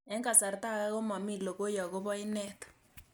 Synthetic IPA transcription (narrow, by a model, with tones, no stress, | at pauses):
ɛ˦ŋɡa˨sa˨ɾta˦˨ɣa˦ɣo˦ma˨mi˦˨lo˨ɣo˦ja˨ɣo˦βɔ˦i˦nɛ˦tɔ̥